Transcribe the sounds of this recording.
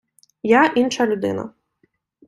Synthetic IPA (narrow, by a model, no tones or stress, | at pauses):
jaʔinʂɐlʲud̪ɪ̰nɐ̰